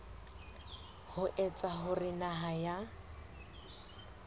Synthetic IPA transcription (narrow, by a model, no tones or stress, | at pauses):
hʊʔɛt͡sʼaɦʊrɪnaɦaja